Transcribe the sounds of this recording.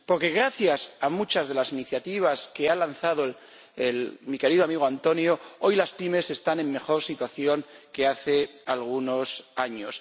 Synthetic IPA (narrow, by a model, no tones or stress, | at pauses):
po̞ɾke̞ɣ̞ɾaθjasamut͡ʃazðe̞lasiniθjat̪iβ̞aske̞alan̟θað̞o | elmike̞ɾiðoamiɣ̞oant̪o̞njoo̞jlaspime̞se̞st̪anẽ̞mːe̞xo̞ɾsit̪waθjo̞ŋke̞aθe̞alɣ̞uno̞saɲo̞s